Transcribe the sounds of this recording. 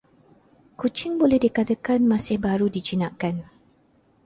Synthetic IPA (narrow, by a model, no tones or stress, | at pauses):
kut͡ʃɪŋbolɛhdikat̪əkanmãsɪhbaɾudit͡ʃinaʔkan